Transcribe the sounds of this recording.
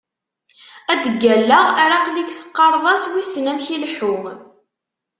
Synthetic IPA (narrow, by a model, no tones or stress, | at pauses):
æd̪əɡːælːəʁæɾaqlikθə̥qːɑɾˤðˤɑswisnæmçilħu